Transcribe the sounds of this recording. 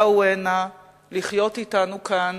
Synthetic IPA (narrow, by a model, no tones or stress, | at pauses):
uena | liχjo̞titanukan